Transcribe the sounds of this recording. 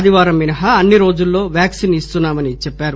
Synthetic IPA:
d̪iʋaːɾɐmːinɐɦɐɐnːiɾo̞ːd͡ʒulːo̞ːʋjaːksinist̪unːaːmɐnit͡ʃɛpːaːɾu

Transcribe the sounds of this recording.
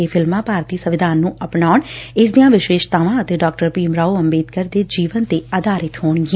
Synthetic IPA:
eːpʰɪlmãːpaːɾt̪iːsəʋɪd̪ʱaːnːũːʔəpɳaːʊɳɪs̬d̪ĩjãːʋɪʃʋeːʃt̪aːʋãːət̪eːɖaːk̚ʈəɾpiːmɾaːoəmbeːd̪kəɾd̪eːd͡ʒiːʋənt̪eːəd̪aːɾɪt̪ɦoːɳɡi

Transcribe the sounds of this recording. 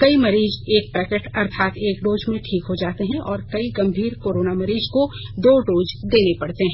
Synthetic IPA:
kɐimɐɾiːzeːk̚pɛːkeʈɐɾt̪ʰaːt̪eːkɖoːd͡ʒmẽʈʰiːkɦod͡ʒaːt̪eɦɛ̃ʔɔːɾkɐiɡɐ̃mbʱiːɾkoːɾoːnamɐɾiːzkod̪oːɖoːd͡ʒd̪eːnepɐɽt̪eɦɛ̃ː

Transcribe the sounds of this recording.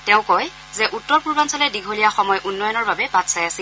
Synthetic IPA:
tɛʊ̃kɔj | zɛʔutːɔɹpuɹbansɔlɛdiɡʱolijaxɔmɔjʔunːɔjɔnɔɹbabɛbatsajasil

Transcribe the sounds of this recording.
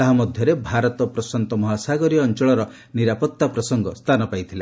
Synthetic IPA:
aɦamɔd̪ʱjɔɾebʱaɾɔt̪ɔpɾɔsant̪ɔmɔɦasaɡɔɾiɔnt͡ʃɔɭɔɾɔ | niɾapɔt̪ːapɾɔsɔŋɡɔst̪ʰanɔpajt̪ʰila

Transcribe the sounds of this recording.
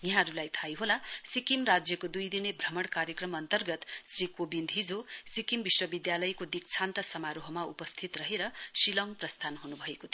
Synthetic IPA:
jʌɦãɾulajt̪ʰajɦolasikimrad͡zjʌkod̪ujd̪inebʱrʌmʌɽkaɾjʌkrʌmʌnt̪ʌrɡʌt̪srikobind̪ʱɦid͡zosikimbiswʌbid̪jalʌjkod̪ik̚t͡sʰant̪ʌsʌmaɾoɦʌmaupʌst̪ʰit̪rʌɦeɾʌsilʌŋprʌst̪ʰanɦunubʱʌekot̪ʰ

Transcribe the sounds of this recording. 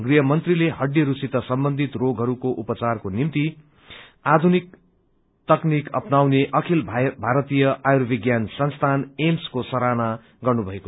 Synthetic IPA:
ɡriɦʌmʌnt̪rileɦʌɖːiɾusit̪ʌsʌmbʌnd̪ʱit̪roɡɦʌɾukoʔupʌt͡sarkonimt̪i | ad̪ʱunik̚ | t̪ʌknikʌpnawneʔʌkʰilbʱaɾʌt̪ijʌʔajɾobʱiɡjansʌnst̪ʰanemskosʌɾana | ɡʌrnubʱʌeko

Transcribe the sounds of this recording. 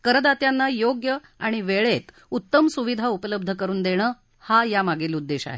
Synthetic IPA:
kəɾəd̪at̪janːajoɡjə | aɽ̃iʋeɭet̪ | ut̪ːəmsuʋid̪ʱaupələb̚d̪ʱəkəɾuːnd̪eɽ̃əː | hajamaɡelud̪ːeɕa̰ɦḛ

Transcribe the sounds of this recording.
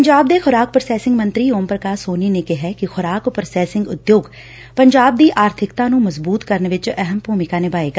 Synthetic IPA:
ɲd͡ʒaːb̚d̪eːkʰʊɾaːk̚pɾəsɛːsɪŋɡmənt̪ɾiːoːmpɾəkaːsoːniːneːkɪɦɛːkɪxʰʊɾaːkpɾəsɛːsɪŋɡʊd̪joːɡ | pəɲd͡ʒaːb̚d̪iːʔaːɾt̪ʰɪkt̪ãːnũːməzbuːt̪kəɾnʋɪt͡ʃɛɦəmpuːmɪkaːneːbaːeːɡ

